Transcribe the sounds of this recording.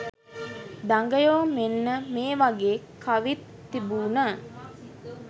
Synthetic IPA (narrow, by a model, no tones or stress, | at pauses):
d̪aŋɡəjoːmenːəmeːʋaɡeːkʰːaʋit̪ːibuːnaː